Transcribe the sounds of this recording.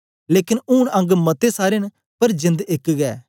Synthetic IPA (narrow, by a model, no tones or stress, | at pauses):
leːkɪnuːɽɐ̃ŋɡmɐt̪esaːɾɪn | pɐɾd͡ʒɪ̃nd̪ɪkɡɛː